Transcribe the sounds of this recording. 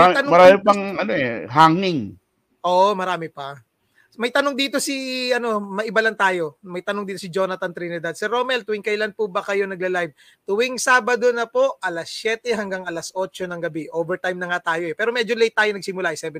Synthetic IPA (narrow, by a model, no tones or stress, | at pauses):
aɐnmɐɾaːmɪpɐŋɐnoɛ̰ɦaŋnɪŋ | ʔoːʔomɐɾaːmɪpɐ | mɐjt̪ɐnoŋd̪iːt̪o̞siʔɐno̞mɐʔɪbalɐŋt̪aːjo̞mɐjt̪ɐnoŋd̪iːt̪o̞sɪd͡ʒo̞nɐt̪ɐnt̪ɾinɛd̪ɐd̪̚sɛɾo̞mɛlt̪ʊwɪŋkɐɪlanpubɐkɐjo̞nɐɡ̚lɐlajv̚ | t̪ʊwɪŋsaːbɐd̪o̞nɐpo̞ʔʔɐlasjɛt̪ɛɦɐŋɡaŋɐlasʔo̞t͡ʃo̞nɐŋɡɐbiʔoːvɛɹt̪ajmnɐŋat̪aːjoɛpɛːɾomɛd͡ʒolɛjt̪ːaːjonɐɡ̚sɪmʊlaʔɛsɛbɛ